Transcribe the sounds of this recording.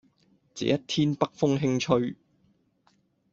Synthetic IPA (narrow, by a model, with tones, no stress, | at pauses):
t͡sḛː˨˥jɐ˥t̚t̪ʰiː˥npɐ˥k̚fʊ˥ŋɦɪ˥ŋt͡ʃʰɵ˥ɥ